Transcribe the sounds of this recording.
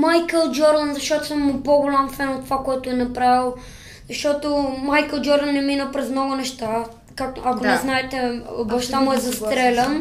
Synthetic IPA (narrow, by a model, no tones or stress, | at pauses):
majkəlˠd͡ʒɔɾd̪ɐnzɐʃt̪ɔt̪ʊ̥səmːʊpoɡolʲamfɛnot̪ːovakɔɛt̪ʊɛnɐpɾavilˠ | zɐʃt̪ɔt̪omajkəlˠd͡ʒɔɾd̪ənːɛminəpɾɛznɔɡʊnɛʃt̪a | kaktakonɛznaɛt̪ɛobɐfʃt̪amuɛzɐst̪ɾɛlʲəm